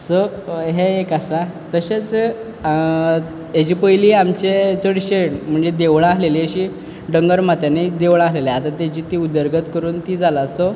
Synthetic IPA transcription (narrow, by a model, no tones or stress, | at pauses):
so | ɦeekasat̪əɕet͡s | ed͡ʑiːpəjliamt͡ɕet͡soɽiɕeɽm̤əɳd͡zed̪eʋɭ̃aaleleɕi | ɖəŋɡəɾmat̪janed̪eʋɭaɦleleat̪at̪ad͡ʑiːt̪iːud̪əɾɡət̪kəɾuːnt̪id͡zʱalaso